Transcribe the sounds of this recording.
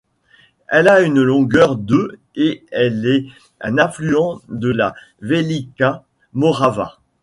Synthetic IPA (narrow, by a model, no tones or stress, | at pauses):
ɛlaynlɔ̃ɡœʁd̪ø | eɛlɛ | ɛ̃nɛ̃flyɑ̃d̪əla | velika | mɔʁava̰